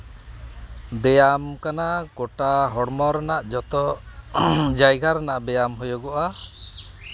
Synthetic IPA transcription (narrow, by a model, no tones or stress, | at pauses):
bɛjamkanakɔʈaɦɔɽmɔɾnaʔd͡ʒɔt̪ɔ | d͡ʒajɡʱaɾnaʔbɛjamɦɔjɔɡɔʔa